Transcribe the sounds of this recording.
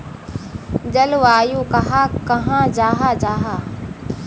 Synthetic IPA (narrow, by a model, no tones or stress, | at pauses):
d͡ʒɐlʋaːjuːkɐɦãːkɐɦãːd͡ʒaːɦaːd͡ʒaːɦaː